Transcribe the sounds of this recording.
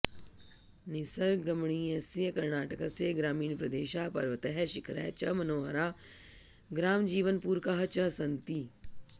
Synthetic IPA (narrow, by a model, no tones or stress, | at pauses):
nɪsəɾɡɐmɳiːesjəkɐɾnaːʈəkaseɡɾaːmiːnpɾɐd̪eːʃaːpɐɾʋət̪ɐɦɛʃɪkʰɾɛ̰t͡ʃɐmɐnoːɦəɾaː | ɡɾaːmd͡ʒiːʋənpuːɾkaɦɐt͡ʃɐsɐnt̪i